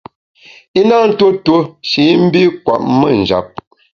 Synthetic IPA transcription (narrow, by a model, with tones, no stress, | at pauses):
i˦na˦˨n̩˦to˦to˦ʃi˨˦m̩˦bi˦kwa̰˨ʔ̚mə˦˨n̩˨d͡ʒa̰˨p̚